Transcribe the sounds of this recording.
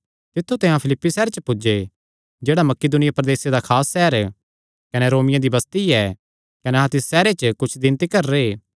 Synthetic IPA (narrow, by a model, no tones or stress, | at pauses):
t̪ɪt̪ʰːut̪ɛ̃ɦãpʰɪlɪpːisɛːɾet͡ʃəpʊd͡ʒe | d͡ʒeːɽamɐkːɪd̪ʊnɪjapɾɐd̪eːsed̪akʰaːsːɛːəɾ | kɐneɾoːmɪjãd̪ibɐst̪iɛː | kɐneɦãt̪ɪsːɛːɾet͡ʃəkʊt͡ʃʰd̪ɪnt̪ikɐɾːeː